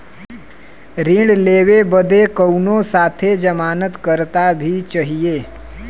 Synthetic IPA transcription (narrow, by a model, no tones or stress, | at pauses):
ɾɪ̃ɽleːʋebəd̪ekəunosaːt̪ʰed͡ʒəmaːnət̪kəɾt̪abʱit͡ʃaɦijeː